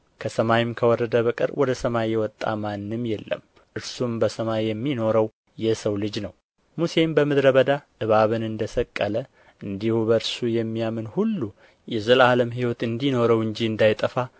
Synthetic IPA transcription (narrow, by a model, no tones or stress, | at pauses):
kʰəsəmajɪmkʰəwɔɾəd̪əβəkʼɨ̰ɾwɔd̪əsəmajɛwɔt̪ʼːa̰manːɨmjɛlːə̰m | ʔɨɾsumbəsəmajjɛmːino̞ɾəw | jɛsəwlɨd͡ʒnəw | muse̞mbəmɨd̪ɾəβəd̪aʔɨβaβɨnɨnd̪əsəkʼːələ | ʔɨnd̪ihuβəɾsujɛmːijamɨnhulːu | jɛzəlaləmɦiwɔt̪ɨnd̪ino̞ɾəwɨɲd͡ʒiɨnd̪ajt̪ʼəfa